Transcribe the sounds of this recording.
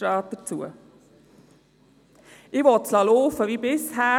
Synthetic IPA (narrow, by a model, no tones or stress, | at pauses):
ɾɑːt̪̚d̪̥əɾt͡suə | ʔɪʋɔtslɑloːfəʋibɪshæː